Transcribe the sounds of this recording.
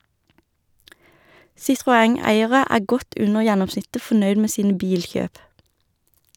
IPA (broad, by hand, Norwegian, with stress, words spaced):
sɪtʁʊˈæŋˌæɪəʁə ˈæː ˈɡɔt ˈʉnəʁ ˈjɛnɔmˌsnɪtə fɔˈnœʏd ˈmeː ˈsiːnə ˈbiːlˌçøːp